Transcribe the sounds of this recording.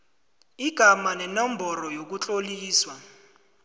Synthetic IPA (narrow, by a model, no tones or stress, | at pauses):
iɡ̥ʱamanɛnɔmbʱɔɾɔjok̬ut͡ɬʼoliːswa